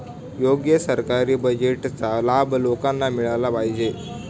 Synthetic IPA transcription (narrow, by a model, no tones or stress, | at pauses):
joɡjəsəɾkaɾiːbəd͡ʑeʈt͡salabʱlokãnːamiɭalapaɦid͡ʑe